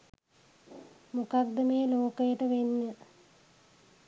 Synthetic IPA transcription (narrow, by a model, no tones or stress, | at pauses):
mukad̪ːəmeːloːkəjəʈəʋenːə